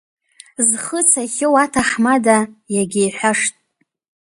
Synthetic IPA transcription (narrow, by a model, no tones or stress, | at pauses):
zχət͡sʰaχʲɪwatʰaħmadajaɡʲejħʷᶣaʂtʼ